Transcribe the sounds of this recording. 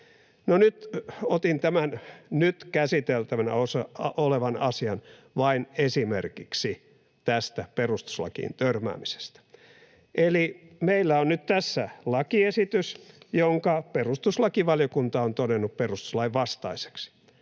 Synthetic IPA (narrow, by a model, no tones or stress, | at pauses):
nonyt̪ot̪int̪æmænnyt̪kæsit̪elt̪æʋænæ̰osɑoleʋɑnɑsiɑn | ʋɑinesimḛrkiksi | t̪æst̪æperust̪u̥slɑ̰kḭːnt̪ørmæ̰ːmise̥st̪æ̥ | ʔelimeilːæonnyt̪t̪æsːælɑkiesit̪ysjoŋkɑperust̪uslɑkiʋɑljokunt̪ɑont̪onenːupperust̪u̥slɑiʋʋɑst̪ɑise̥ksi̥